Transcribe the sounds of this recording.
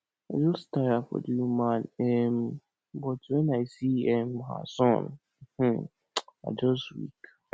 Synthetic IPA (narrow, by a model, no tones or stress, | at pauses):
ad͡ʒɔstajafɔ̰dijumãnɛm | bɔtwenajsiɛmɦa̰sɔ̃n̩ | a̰d͡ʒɔswḭk